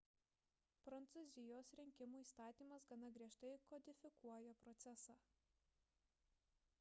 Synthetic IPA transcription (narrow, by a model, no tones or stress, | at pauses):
pɾɐnt̪sʊzʲɪjoːsɾʲɪŋʲkʲɪmuːiːst̪ɑːt̪ʲiːmɐsɡɐnɐɡɾʲiɛʃt̪ɐɪkɔd̪ʲɪfʲɪkuɔjoːpɾɔt̪sʲɛsɑː